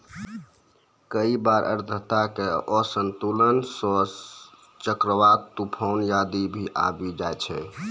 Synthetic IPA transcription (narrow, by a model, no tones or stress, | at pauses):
kəibaɾʔə̰ɾd̪ʱət̪akeɔsənt̪ulənsɔ | t͡ʃəkɾəʋat̪upʰɔʊnjad̪ibʱiʔa̰bid͡ʒaet͡ʃʰɛ